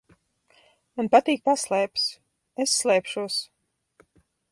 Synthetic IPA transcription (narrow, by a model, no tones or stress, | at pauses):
manpat̪iːk̚paslˠɛːps | esːlˠɛːpʃuɔs